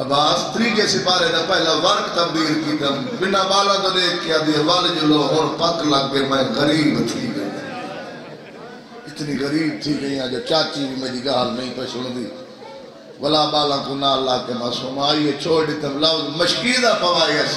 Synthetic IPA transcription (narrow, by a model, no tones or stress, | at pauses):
baːst̪əɾiːkeːsɪːpaːɾeːnãːpɛːlãːʋəɾkt̪əb̚d̪iːlkiːt̪ən | bɪnãːɓaːlãːkoːd̪eːkːjãːd̪ieʋald͡ʒəloːɦoːɽpəkləɡkeːmɛ̃ːɣəɾiːbt̪ʰiːkə̰i | ɪt̪niːɣəɾiːb̚t̪ʰiːkəiːjãːd͡ʒoːt͡ʃaːt͡ʃiːʋiːmɛ̃ːd͡ʒiːɡaːlnə̃ĩːp̪əsʊɽd̪iː | ʋəlaːɓaːlãːkoːnaːlːaːkeːmãːsʊmaːiːeːt͡ʃʰoːiɖɪt̪ẽlaːməʃkiːd̪aːpəʋaːieː